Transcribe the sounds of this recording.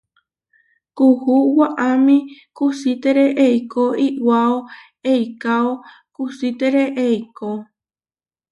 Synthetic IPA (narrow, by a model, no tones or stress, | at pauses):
kuhuwaʔamĩkusit̪eɾeʔejkoiwao | ejkao | kusit̪eɾeʔejko